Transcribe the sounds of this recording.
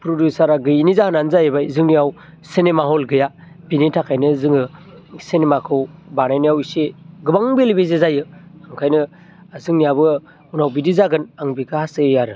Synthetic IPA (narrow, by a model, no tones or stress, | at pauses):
pɾodjusaɾaɡɯjinizaɯnanzajɯbajzɯŋniaw | senemaɦɔlɡɯja | binitʰakʰajnɯzɯŋɯ | senemakʰɯwbanajnijawiseɡɯbaŋbelibezezajɯaŋkʰajnɯ | zɯŋnijabɯ | unawbidizaɡɯnaŋbikahasɯjɯjaɾɯ